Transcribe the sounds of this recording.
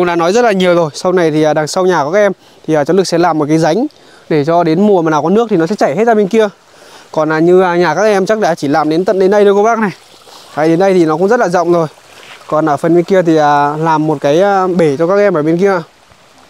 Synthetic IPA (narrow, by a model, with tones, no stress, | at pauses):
ə˧ŋ͡mɗa̰˧˥nɔ˨˦jzə˦˥t̚laː˨˩ɲi˨˩əwzo˨˩jsa˧wna˨˩jt̪ʰi˨˩ʔaː˨˩ɗaː˨˩ŋsə˧wɲaː˨˩kɔ˨˦aː˦˥ʔɛ˧m | t̪ʰi˨˩aː˨˩t͡ɕɔ˨˦lɨ˨˩k̚sɛ̰˧˥laː˨˩mː˨˩t̚ka˨˦jza˨˦jŋ̟ | ɗe˧˩t͡ɕɔ˧ɗe˨˦nmu˨˩əmaː˨naː˨˩wkɔ˨˦nɨ˦˥ək̚t̪i˨˩nɔ˨˦sɛ̰˧˥t͡ɕa˧˩jhe˦˥t̚za˧mi˧ŋ̟ki˧ə | kɔ˨˩nʔaː˨˩ɲɨː˧˨˩ɲaː˨˩kaː˦˥k̚ʔɛ˧mt͡ɕa˦˥k̚ɗaː˧˦t͡ɕi˧˩laː˨˩mɗe˨˦nt̪ə̰˧˨nɗe˨˦nɗə˧jɗo˧ko˧ɓaː˦˥k̚na˨˩j | aː˨˩ɗe˨˦nɗə˧jt̪ʰi˨˩nɔ˨˦kʊ˧˥ŋ͡mzə˦˥t̚laː˨zə̰˧˨wŋ͡mzo˨˩j | kɔ˨˩nʔəː˧˩fə˨˩nwi˧ŋki˧ət̪ʰi˨˩ʔaː˨˩laː˨˩mːo˨˩t̚kaː˨˦ja˧ɓe˧˩t͡ɕɔ˧kaː˦˥k̚ʔɛ˧mʔəː˧˩ɓe˧nki˧əʔa˧˨